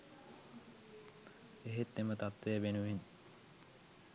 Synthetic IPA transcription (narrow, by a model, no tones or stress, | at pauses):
eɦet̪ːemət̪at̪ʋejəbenuʋin